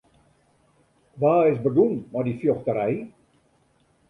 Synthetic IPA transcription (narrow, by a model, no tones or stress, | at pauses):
ʋaːɪsbəɡunmadifjɔxtəɾɛj